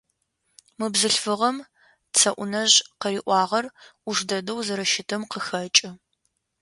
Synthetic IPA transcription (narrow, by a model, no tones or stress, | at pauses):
mɨbzɨɬfɨʁɐm | t͡sʰɐʔʷʊnɐʑqəɾiːʔʷɑːʁɐrʊʐdɐdɐwzɐɾɐʃɪtʰɐmqəxɐt͡ʃʼɪ